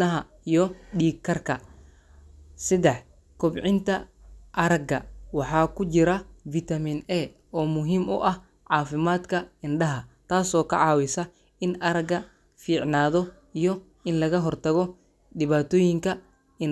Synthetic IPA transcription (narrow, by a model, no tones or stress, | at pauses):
ɐɦɐ | ijɔɗiːkʰːɐrkʰɐ | sɪd̪ɛħ | kʰɔbʕɪnt̪ʰɐʔɐɾɐɡɐ̰wɑħɑːkʰʊt͡ʃɪɾɐvit̪ɐminɛː | ɔːmʊɦiːmʊʔɐh | ʕɑːfɪmaːd̪kʰɐɪnɖɐɦɐt̪ʰaːsɔːkʰɐ̰ʕɑːwɪsɐ | ɪnʔɐɾɐɡɐ | fiːʕnaːðɔ | ijɔ | ɪnlɐɣɐɦɔrt̪ʰɐɣɔ | ɖɪβaːt̪ʰɔːjɪŋkʰɐ | ɪn